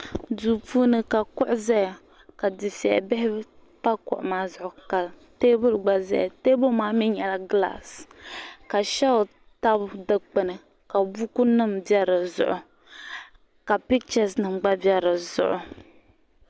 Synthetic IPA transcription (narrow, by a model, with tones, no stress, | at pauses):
du˨pu˦nɨ˦ka˨kʊ˦ʔʊ˦zɛ˦˨ | ka˨dɨ˨sɛ̰˨bɛ˦hɪ˦ | pa˦kʊ̰˨ʔʊ˨maː˦zʊ˨ʔʊ˨ka˨teː˦bʊ˦lɡ͡ba˦zɛ̰˦˨teː˦bʊ˦maː˦mɪ˦ɲɛ˨la˦ɡla̰˨s | ka˨ʃɛ˦ʊ˨ | ta˦bdɨ˨k͡pɨ˨nɨ˨ | ka˨bu˦ku˦nɨ˦˨mbɛ˦ɾɨ˨zʊ̰˨ʔʊ˨ | ka˨pi˦k̚t͡ʃa˨snɨ˨mɡ͡ba˦bjɛ˦ɾɨ˨zʊ̰˨ʔʊ˨